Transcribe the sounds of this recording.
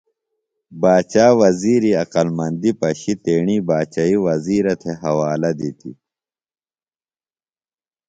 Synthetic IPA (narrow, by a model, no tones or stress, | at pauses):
baːt͡ɕaːwɐziːɾiɐqɐlmɐnd̪ipɐɕit̪eːɳiːbaːt͡ɕaiwɐziːɾɐt̪ʰeɦɐwaːlɐd̪it̪ḭ